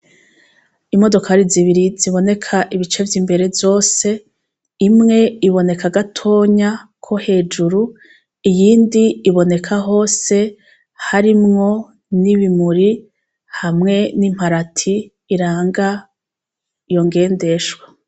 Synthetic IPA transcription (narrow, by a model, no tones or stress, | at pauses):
imo̞do̞kaɾiziβiɾiziβo̞ne̞kʰaʔiβit͡ʃe̞vjimbe̞ɾe̞vjo̞ːse̞ | imŋe̞iβo̞ne̞kʰaɡatʰo̞ːɲakʰo̞he̞ːd͡ʒuɾu | ijiːndiːβo̞ne̞kʰaɦo̞ːse̞ | haɾimŋo̞ | niβimuɾi | hamŋe̞nim̥haɾatʰiː | ɾaːŋɡa | jo̞ŋɡe̞ːnde̞ʃwa